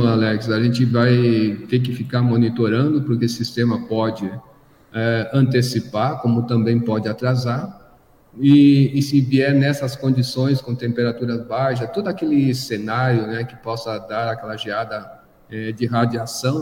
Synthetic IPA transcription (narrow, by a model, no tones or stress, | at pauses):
alɛksaʒẽnt͡ʃɪvajt̪ek̬ɪfikaɾmonit̪oɾɐ̃nd̪ʊpoɾkeʊsist̪ẽmɐpɔd͡ʒɪ | ɛɐ̃nt̪esipaɾkõmʊt̪ɐ̃mbẽj̃pɔd͡ʒɪat̪ɾazaɾ | ɪːsĩviɛɾnɛsɐskõd͡ʒisõj̃skõt̪ẽmpeɾat̪uɾɐzbajʃɐt̪od̪ʊakelɪsenaɾjʊnɛkɪ̥pɔsɐd̪aɾakɛlɐʒiad̪ɐ | ɛd͡ʒɪɦad͡ʒiasɐ̃w̃